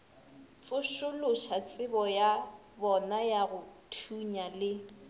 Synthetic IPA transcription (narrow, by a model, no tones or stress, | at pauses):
t͡sʼʊʃʊlʊʃat͡sʼɪbɔja | bɔnajaɣʊtʰuɲalɪ